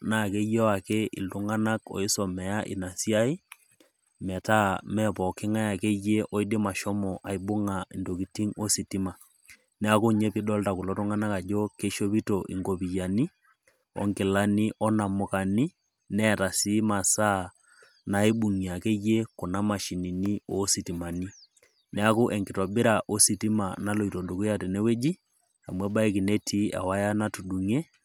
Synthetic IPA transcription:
na˦˨ke˦je˦a˨ke˦ɪ̰˨ltu˦ŋa˦na˦kɔ̰˨i˦sɔ˨mɛ˨ja˦ʔḭ˨na˨si˦a˦i˦ | mɛ˨ta˦mɛ˦pɔ˨kɪ˦ŋa˦ja˨ke˦je˦ʔɔ˦i˦dɪ˦ma˨ʃɔ˦mɔ˨ʔa˨i˨bʊ˦ŋa˨i˨ndo˨ki˨ti˦ŋo˦si˨ti˦ma˨ | nɛ˦a˦ko˦ɲe˦pi˦dɔ˦lta˨ku˨lɔ˦tu˦ŋa˦na˦ka˨d͡ʒo˦ke˦ʃo˦pi˦to˨ʔḭ˨ŋɡo˨pi˨ja˨ni˦ | ɔ̰˦ŋki˨la˦ni˦ʔɔ˦na˨mʊ˨ka˨ni˦ | nɛ˦˨ta˨si˦ma˨sa˦ | na˨i˦bu˨ŋi˨a˨ke˦je˦kɔ˨na˦ma˨ʃi˨ni˨ni˦o˦si˨ti˨ma˨ni˦ | nɛ˦a˦ku˦ʔɛ˨ŋkɪ˨twa˨bɪ˦ɾa˨ʔo˦si˨ti˦ma˨na˦lo˨i˨to˨do˨ku˦ja˨tɛ˨nɛ˦we˦d͡ʒi˦ | a̰˨mwɛ˦ba˦i˦ki˨ne˦tʰi˦a̰˨wa˦ja˦na˦tu˨du˨ŋe˦

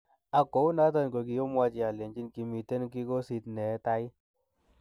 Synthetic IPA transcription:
a˨ko˨˦u˦na˦t̬ɔ˦˨nko˨ki˨jo˦mwa˦t͡ʃi˨a˨le˨ɲd͡ʒi˦nki˨mi˨te˦n˦ki˦ko˦si˨tnɛ˨˦ta˦i˦

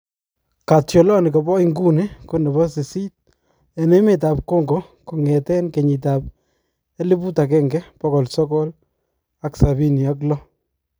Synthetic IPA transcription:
ka˨tjɔ˨lɔ˦nɪ˨kɔ˨bɔ˦ɪ˦ŋɡu˦nɪ˦kʊ˦nɛ˨bɔ˦sɪ˨si˦t̚ | ɛ˨ne˦mɪ˨t̬a˨p̚ko˦ŋɡɔ˨ | ku˨ŋɛ˨tɛ˦nke˨ɲi˨t̬a˨p̚ | ɛ˦lɪ˦pu˦ta˨k̬ɛŋɡɛpɔ˦kɔ˨lsɔ˦kɔ˦l | aksa˨bi˦ni˨a˦k̬lɔ˦

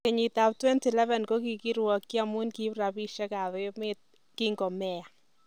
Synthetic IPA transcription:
kɛ˨ɲitap̚twɛ˦ntilɛ˦vɛ˨nko˦ki˨kiɾwɔ˨kːi˦amu˦nkipra˨piʃa˦ka˨ðɔ˦met̚ | kiŋɡɔ˨mɛa˨

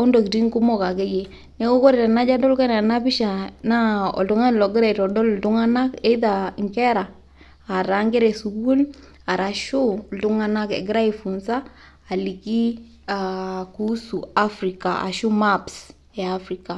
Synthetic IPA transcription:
ɔ˦ndo˨ki˨ti˦ŋku˦mo˦ka˨ɡe˦je˨ | ne˦ko˦kɔ˦ɾe˨ɾɛ˨na˦d͡ʒa˦dɔ˦lkɛ˦nɛ˨na˦bɪ˦ʃa˨na˦ɔ̰˨ldʊ˦ŋa˦n˨lɔ˨ɡɪ˦ɾa˦˨i˨tɔ˨dɔ˦ldu˦ŋa˦na˦ke˦ða˨ŋkɛ˦ɾaː˨ | ɾa˨ŋɡɛ˦ɾe˨su˨bu˦l | a˨ɾa˨ʃu˦ldʊ˦ŋa˦na˦kḛ˨ɡɪ˦ɾa˦i˨fu˨nsaː˦˨ | li˨ki˦ | a˨ku˦su˨a˦fɾi˨ka˨ʔa̰˨ʃu˦ma˦ps | ɛ˨a˦fɾi˨ka˨

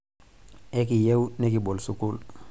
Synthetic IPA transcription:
ɛ˦k̬i˨je˦wnɛ˦k̬i˨bɔ˨lsu˨ku˦l

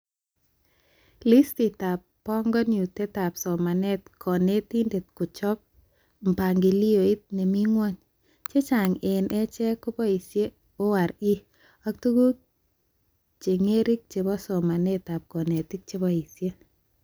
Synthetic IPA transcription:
li˦sti˨ta˨pːɔ˦ŋɡɔ˦nu˨te˦ta˨psɔ˨ma˨nɛ˦tkʰɔ˨ne˦ti˦nde˨t̚kʊ˨t͡ʃɔ˦p̚ | m̩˨pa˨ŋɡi˨li˦o˨i˦t̚ne˨mi˦ŋwɔ˦ɲ | t͡ʃe˦t͡ʃa˨ŋe˨nʔɛ˦t͡ʃɛ˦kʊ˦pɔ˦i˨sje˦ | ʊ˦wa˨ɾi˦ | a˦k̚tu˦ku˦ | t͡ʃe˨ŋe˦ɾi˦k̚t͡ʃe˨bɔ˦sɔ˨ma˨ne˦ta˨p̚kɔ˨ne˨ti˦k̚t͡ʃe˦bɔ˦i˨sje˦

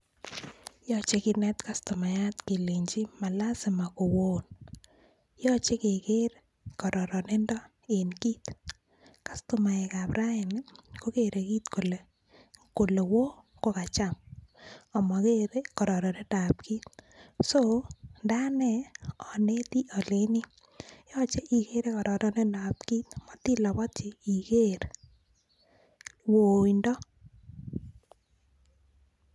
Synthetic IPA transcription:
jɔ˦t͡ʃe˦kɪ˨nɛ˦t̪ka˦sto˨ma˨ja˦tke˨le˨ɲd͡ʒi˦ma˨la˦sɪ˨ma˨ko˨wo˦n | jɔ˦t͡ʃe˦kɪ˨ke˦ɾ | kɔ˨ɾɔ˨ɾɔ˨ne˦ndɔ˦ | e˨nki˦t | ka˦sto˨ma˨ɛ˨ka˨pɾa˦ɪ˨n˦ko˦ke˨ɾʔe˨ki˦t̪ko˨le˨ | ko˨le˨wo˦ | ko˦ka˨t͡ʃa˦m | ɔ˨mɔ˨keɾe˦kɔ˨ɾɔ˨ɾɔ˨ne˦da˨pki˦t̪sonda˦nɛ˨ɔ˨ne˦ti˦ʔɔ˨le˦ni˦ | jɔ˦t͡ʃe˦ʔi˨ke˦ɾe˦kɔ˨ɾɔ˨ɾɔ˦ne˦nda˨pki˦t̪̚mɔ˨t̪i˦lɔ˨bɔ˦tt͡ʃɪ˨i˨ke˦ɾ | wo˨indɔ˦

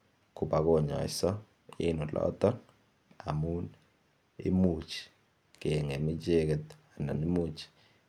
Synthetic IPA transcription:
kʰu˨ɓa˦kɔ˨ɲɔ̰˨i˨sɔ˦ | ḭ˦nu˨lɔ̰t̪ɔ˦n | a̰˨mu˦n | ḭ˦mu˨t͡ʃi̥˨ | kɛ˨ŋe˨mi˦t͡ʃe˦k̬ɛ˨t̪a˨na̰˨ni˦mu˦˨t͡ʃʰi̥

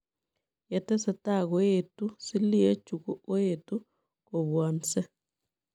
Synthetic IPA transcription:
je˨tɛ˦se˦ta˨ɣoetu˦si˦li˦e˦t͡ʃuku˦o˦etu | ko˨βwɔ˨nse˦

